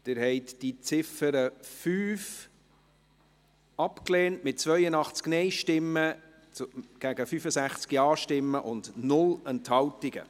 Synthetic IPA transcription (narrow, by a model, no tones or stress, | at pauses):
d̥ɪɾhɛɪtd̥it͡sɪfəɾəfyːf | ɑpkleːntmɪt̚t͡svœʏənɑχt͡sknɛɪʃtɪmːə | ɡ̥æɡəfyfəsæχt͡skiɑːʃtɪmːəʔʊndnʊlɛnthɑwtɪɡə̰